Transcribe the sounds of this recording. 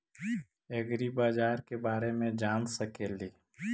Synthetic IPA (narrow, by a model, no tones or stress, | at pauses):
eɡɾibaːd͡ʒaːɾkebaːɾemẽd͡ʒaːnsəkeːliː